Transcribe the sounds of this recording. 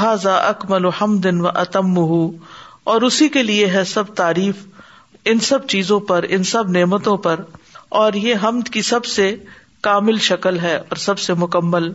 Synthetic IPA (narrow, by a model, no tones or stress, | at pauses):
ɦaːzaːʔɐkmɐlʊhɐmd̪ɪnʋɐʔɐt̪ɪmːʊɦu | ɔːɾʊsikelieɦɛsɐb̚t̪aːɾiːf | ɪnsɐbt͡ʃiːzõpɐɾɪ̰nsɐbneːmət̪õpɐɾɔːɾjeɦɐmd̪kisɐbse | kaːmɪlʃɐkəlɦɛːɔːɾsɐbsemʊkɐmːəl